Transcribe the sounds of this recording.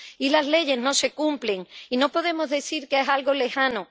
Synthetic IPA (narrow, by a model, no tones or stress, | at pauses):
ilazle̞ʝe̞zno̞se̞kumple̞ŋino̞po̞ðe̞mo̞zðe̞θiɾkeesalɣo̞le̞xano